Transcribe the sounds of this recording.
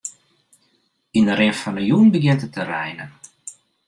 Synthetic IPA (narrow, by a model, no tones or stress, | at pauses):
indəɾɪfɔnəjunbəɡjɪntətʰərɛjnən